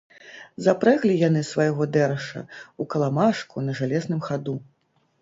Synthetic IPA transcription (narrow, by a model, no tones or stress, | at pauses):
zapɾɛɣlʲijan̪ɨsvajɣɔd̪ɛɾɐʂɐ̰ukɐlˠamaʂkunɐʐalʲɛznɨmxad̪u